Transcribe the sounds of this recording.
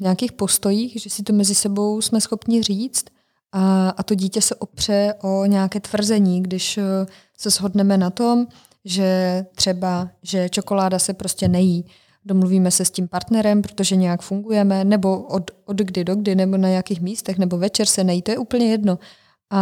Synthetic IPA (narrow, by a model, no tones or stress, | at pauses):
ɲɛakiːxpo̞st̪o̞jiːxʒɛsɪt̪omɛzɪsɛbo̞wsmɛsxopɲɪr̝iːt͡st̪ | ʔaʔat̪o̞ɟiːcɛsɛʔopr̝̥ɛʔoɲɛakɛːt̪vr̩zɛɲiːɡdɪʃ | sɛzɦo̞dnɛmɛnat̪om | ʒɛt̪r̝̥ɛbaʒɛt͡ʃo̞ko̞laːdasɛpɾoscɛnɛjiː | domluviːmɛsɛscimpaɾt̪nɛɾɛmpɾot̪oʒɛɲɛjakfuŋɡujɛmɛnɛbo̞ʔod̪odɡdɪdoɡdɪnɛbonaɲakiːxmiːst̪ɛxnɛbo̞vɛt͡ʃɛɾsɛnajiːt̪ojɛʔuːpl̩ɲɛjɛdno̞ | ʔa